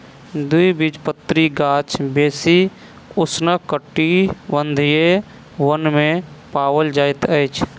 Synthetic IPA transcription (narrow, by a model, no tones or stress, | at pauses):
d̪uibid͡ʒpət̪ːɾiɡaːt͡ʃʰbeːsi | ʊsnəkəʈːibənd̪ʱije | wənmẽpaːwəld͡ʒaːɪt̪əjt͡ʃʰ